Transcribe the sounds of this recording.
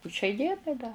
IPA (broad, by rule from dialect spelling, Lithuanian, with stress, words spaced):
pʊ ʃʲɛɪ ˈdʲiɛnɐɪ dɐ